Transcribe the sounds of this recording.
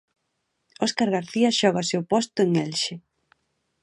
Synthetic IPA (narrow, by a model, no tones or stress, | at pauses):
ɔskaɾɣaɾθiɐʃɔɣaseʊpɔst̪ʊeŋelʃɪ